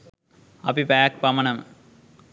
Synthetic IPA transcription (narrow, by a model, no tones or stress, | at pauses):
ɐpipaːk̚pɐmɐnɐm